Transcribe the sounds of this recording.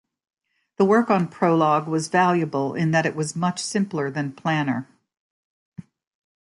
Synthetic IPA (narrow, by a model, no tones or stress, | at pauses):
ðəwɜ˞kn̩pʰɹ̥oʊlɔɡwʌzvælˠjɨbəl̩ˠɪ̰̃nðɨɾɨʔ̚wʌzmʌt͡ʃsɪ̃mplˠə˞ðɨ̃npʰl̥æ̃nə˞